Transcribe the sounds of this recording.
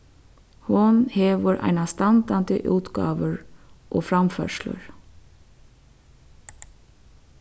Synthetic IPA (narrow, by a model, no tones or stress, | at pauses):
hʊnheːʋəɹʔæ̰ɪnɑst̪ɑnd̪ɑnd̪ə̰ʔʉːt̪ɡɑ̰ːʋəɹʔoːfɾɑmfœ̰ʃlə̰ɹ